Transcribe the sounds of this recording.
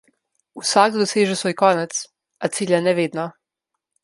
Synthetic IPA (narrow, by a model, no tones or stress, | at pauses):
usaɡd̪d̪oseːʒesʋojkonat̪s | at̪siːʎanɛʋed̪na